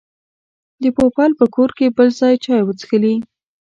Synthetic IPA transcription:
d̪əpopɑlpəkʰoɾkebəlzɑjt͡ʃɑjwət͡səxəli

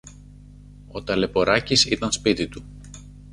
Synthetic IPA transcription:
o̞t̪ɐle̞po̞ɾɐcisit̪ɐnspit̪it̪u

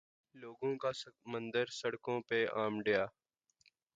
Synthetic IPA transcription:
loːɡõkasmə̃nd̪əɾsəɽkõpeaːmɖejaː

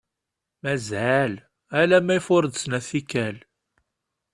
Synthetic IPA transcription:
mæzæl | ælæmæjfʊɾˤd̪snæθikːæl

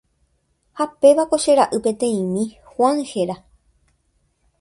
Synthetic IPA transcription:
hape̞ʋako̞ʃe̞ɾaʔɨpe̞t̪ẽ̞ĩmĩ | hwãŋhe̞ɾa

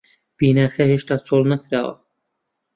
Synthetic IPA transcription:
b̥iːnaːxɛheʃt̪at͡sʰolˠnɐkʰɾaːwa̰

